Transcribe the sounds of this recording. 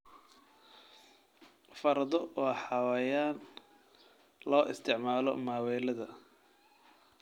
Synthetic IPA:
fɐɾɐðɔɔːħɑwɑjaːn | lɔːʔɪst̪ʰɪʕmaːlɔ̰maːwɛːlɐðɐ

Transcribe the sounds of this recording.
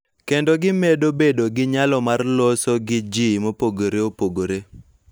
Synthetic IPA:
kendoɡɪmedobedoɡɪɲalɔmarlosoɡɪd͡ʒimopoɡoɾeopoɡoɾe

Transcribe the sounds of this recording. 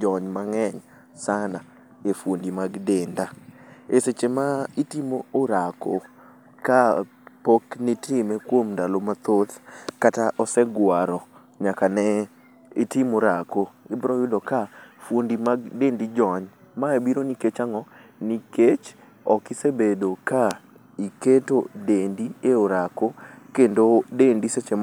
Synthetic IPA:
d͡ʒɔɲmaŋɛɲ | sana | efwondimaɡdendaeset͡ʃemaitimoːɾako | ka | poknitɪmɛkwomndalomat̪ot̪kataʔɔsɛɡwaɾɔ | ɲakanɛ | ɪtɪmoɾakoɪbɾɔjʊdɔkafwondimaɡdendid͡ʒɔɲ | maebiɾoniket͡ʃaŋɔniket͡ʃ | ɔkɪsebedoka | iketodendieoɾakokendodendiset͡ʃem

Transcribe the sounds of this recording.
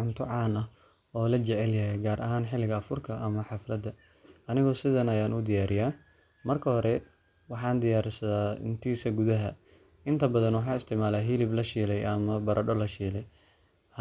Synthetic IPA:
ʕʊnt̪ʰʊʕɑːnɐ | ɔːlɐt͡ʃɛʕɛljɐɦɛjɡaːɾʔɐɦaːnħɪlɪɣɐɐfʊrkʰɐʔɐmɐħɑflɐd̪ɐ | ɐnɪɣɔːsɪðɐnɐjaːnʊd̪ɪjaːɾɪjaː | mɐrkʰɐhɔɾɛ | wɑħɑːnd̪ɪjaːɾɪsɐðaːɪ̰nt̪ʰiːsɐɡʊðɐɦɐ | ɪnt̪ʰɐbɐðɐnwɑħɑːɪst̪ʰɪʕmaːlaːɦiːlɪblɐʃiːlɛjʔɐmɐbɐɾʔɐɖɔlɐʃiːlɛj

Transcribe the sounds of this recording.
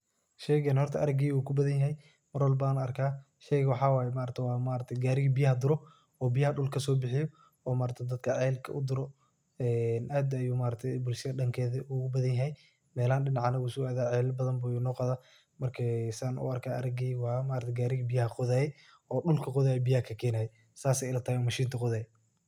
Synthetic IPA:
ʃɛjɣɐnhɔrt̪ʰɐʔɐɾɐɡiːuːkʰʊbɐðɐnjɐɦɛj | mɐrwɐlbaːnɐrkʰaː | ʃɛjɣɐwɑħɑːwaːjɛmaːɾɐt̪ʰɐwɑːmaːɾɐt̪ʰɛɡaːɾɪɣibɪjɐhɐd̪ʊɾɔ | ɔːbɪjɐhɐɗʊlkʰɐsɔːbɪħɪjɔ | ɔːmaːɾɐt̪ʰɐd̪ɐd̪̚kʰɐʕɛːlkʰɐ̰ʔʊd̪ʊɾɔ | ɛːnʔaːd̪ɐjuːmaːɾɐt̪ʰɛbʊlʃɐðɐɗɐŋkʰɛːðɐʔuʊbɐðɐnjɐɦɛj | mɛːlaːnɗɪnɑʕɑnɐɣʊsʊaːðaːʕɛːlbɐðɐnbʊjunɔːqɑðaː | mɐrkʰɐsaːnʊ̰ɐrkʰaːʔɐɾɐɡiːwɑmaːɾɐt̪ʰɛɡaːɾɪɣibɪjɐɦɐqʊðaːjɛ | ɔːɗʊlkʰɐqʊðaːjɛbɪjɐkʰɐkʰɛːnaːjɛ | saːsɛjɪlɐt̪ʰɐːɛɔːmɐʃiːnt̪ʰɐqʊðaːjɛ

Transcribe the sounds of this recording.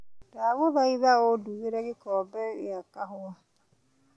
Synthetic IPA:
daɣoðaiðaoduɣeɾɛɣekɔːbɛɾjakaɦoa

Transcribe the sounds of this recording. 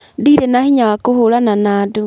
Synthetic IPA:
ndiðɛnahiɲaakohoɾananaːdo

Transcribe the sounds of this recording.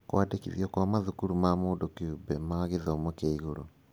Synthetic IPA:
kwadekḭðiɔkwamaðukuɾumamoːndokeubɛmaɣeðɔmokeiɣoɾo

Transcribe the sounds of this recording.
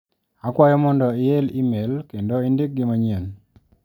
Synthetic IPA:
akwajɔmɔndɔɪelimelkendoindik̚ɡɪmaɲen

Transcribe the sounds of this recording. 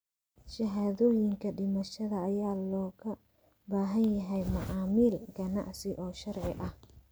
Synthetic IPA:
ʃɐɦaːðɔːjɪŋkʰɐɖɪmɐʃɐðɐːjaːlɔːɣɐ | baːɦɐnjɐɦɛjmɐʔaːmiːlɡɐnɑ̰ʕsɪʔɔːʃɐrʕɪʔɐh

